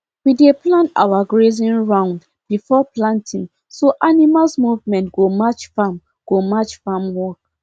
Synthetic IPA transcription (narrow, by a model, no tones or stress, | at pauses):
wideplãnta̰waɡɹezĩnɹãʊ̃nd | b̥ifɔplãntʰĩŋ | soʔanimalsmuvmɛ̃ntɡ̥omat͡ʃfam | ɡ̥omat͡ʃfamwɔk̚